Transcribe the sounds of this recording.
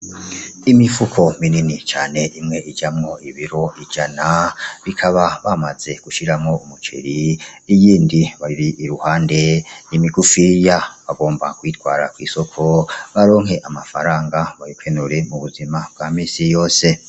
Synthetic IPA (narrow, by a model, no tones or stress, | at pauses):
imifukʰo̞mininit͡ʃaːne̞ʔimŋe̞id͡ʒamŋo̞iβiɾo̞ʔid͡ʒanaβikʰaβaβamaz̥e̞ɡ̥uʃiɾamŋo̞umut͡ʃḛɾiijiːndiβaiɾiiɾuhaːnde̞nimiɡufijaβaɡo̞ːmba̰kwiːtɡwaːɾa̰kwiːso̞kʰo̞βaɾo̞ːŋɦe̞ʔamafaɾaːŋɡaβajukʰenuɾe̞muβuzimab̚ɡamiːsijo̞ːse̞